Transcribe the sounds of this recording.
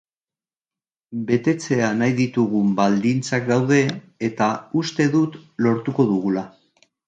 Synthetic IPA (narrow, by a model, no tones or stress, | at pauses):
be̞t̪e̞t͡se̞anajðit̪uɣ̞umbald̪int͡sak̚d̪awðe̞ː | t̪aust̪e̞ðut̪lo̞ɾt̪uko̞ðuɣula